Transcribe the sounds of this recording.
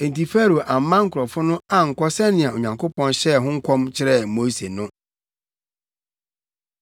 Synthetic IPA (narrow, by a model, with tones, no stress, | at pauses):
ɛ˨n̩˨ti˨fæ˦ɾo˨ʔa˨m˦mã˦ŋ̩˦kʰɔ˨fʊ˦nʊ̃˦a˦ŋ̩˨kɔ˦sɛ˦nɪ̃˨ã˨o˨ɲᶣã˨ŋkʰo˦pɔ̃˦nɕɛ˦ɦʊ̃˦ŋ̩˦kʷʰɔ̃˦mt͡ɕʰɪ˦ɾɛ˦˨mo˦se˨nʊ̃˦